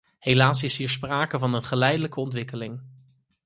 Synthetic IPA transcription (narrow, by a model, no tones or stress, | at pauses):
ɦejlaːsɪsɦiːɹspraːkəvɑnənχəlɛjdələkəɔntʋɪkəlɪŋ